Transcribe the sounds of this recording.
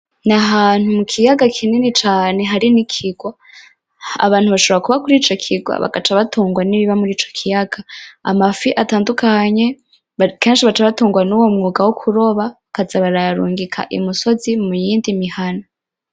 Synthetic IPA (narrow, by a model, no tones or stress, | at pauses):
naɦaːn̥humukʰijaɡakʰininit͡ʃaːne̞ɦaɾinikʰiɡwa | a̰βaːn̥huβaʃo̞oɾakuβakuɾiːt͡ʃo̞kʰiɡwa̰βa̰ɡat͡ʃaβatuːŋɡwaniβiβamuɾiːt͡ʃo̞̥kʰijaɡ̥aa̰mafiʔataːndukʰaɲe̞ | ke̞ːnʃiβat͡ʃaβatuːŋɡwanuwo̞mŋuːɡawokʰuɾo̞βa | kazaβaɾaaɾuːŋɡikʰa̰ʔḭmusozimujiːndimihana